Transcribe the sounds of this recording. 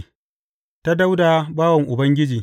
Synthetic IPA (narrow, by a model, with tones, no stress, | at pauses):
ta˦da˦wda˨baː˦wɐ˨ŋʔʊ˨bɐ˦ŋɡʲɪ˦d͡ʒiː˨